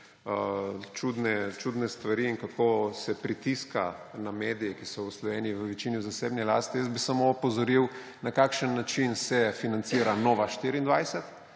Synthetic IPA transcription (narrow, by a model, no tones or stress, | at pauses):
ət͡ʃud̪nɛt͡ʃud̪nɛst̪ʋaɾiːŋkakosɛpɾit̪iska̰nameːd̪ijɛkisɔwslɔʋeːnijiʋəʋɛt͡ʃiːnizaseːbnɛlast̪ijəsbisamoɔpɔzɔɾiw | nakaːkʃənːat͡ʃinsɛfinant̪siːɾanoːʋaʃt̪iɾiːnd̪ʋajsɛt̪